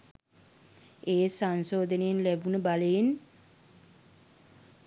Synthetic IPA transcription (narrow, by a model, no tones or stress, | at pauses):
eːsansoːd̪ənejenlæbunəbaləjen